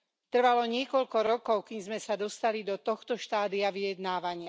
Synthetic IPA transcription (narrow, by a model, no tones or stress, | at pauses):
t̪r̩ʋalɔɲɪɛkɔʎkɔɾɔkɔʊkiɲzmɛsad̪ɔst̪alid̪ɔt̪ɔxt̪ɔʃt̪aːd̪iaʋijɛd̪naːʋaɲɪa